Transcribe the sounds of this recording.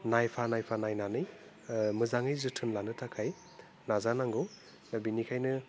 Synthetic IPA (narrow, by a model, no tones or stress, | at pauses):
najpʰanajpʰanajnanɯj | mɯzaŋɯjzɯtʰɯnlanɯtʰakʰaj | nazanaŋɡɯw | nabinikʰajnɯ